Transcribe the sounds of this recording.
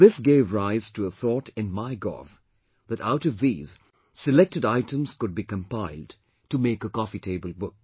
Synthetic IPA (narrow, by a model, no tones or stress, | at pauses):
ðɪsɡeɪvɹaɪz̥tʰɨəθɔtɨ̃nmaɪɡɔ̰f | ðɨɾaʊɾʌvðiːz̥ | sɨlɛk̚tɨɾaɪtə̃mz̥kʊd̚bikə̃mpaɪlˠd | tɨmeɪkəkɔfitʰeɪbəl̩ˠbʊk̚